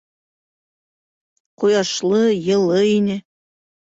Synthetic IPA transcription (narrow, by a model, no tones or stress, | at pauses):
qujɑʃlˠɤjɤ̆lˠɤinɘ